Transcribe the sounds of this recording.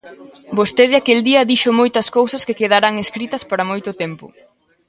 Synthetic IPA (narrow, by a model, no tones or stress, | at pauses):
bost̪eðɪakeld̪iɐðiʃʊmojt̪ɐskowsɐskekeð̞aɾaŋeskɾit̪ɐspaɾɐmojt̪ʊt̪empʊ̰